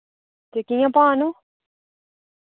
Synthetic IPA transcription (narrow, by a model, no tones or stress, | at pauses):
t̪ekijãpaːnu